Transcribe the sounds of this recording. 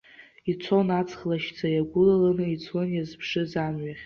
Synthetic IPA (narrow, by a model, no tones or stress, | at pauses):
it͡sʷʰonat͡sʰχlaʃt͡sʰajaɡʷʊlalanɨit͡sʰwanjazpʰʂɨzamɥaχʲ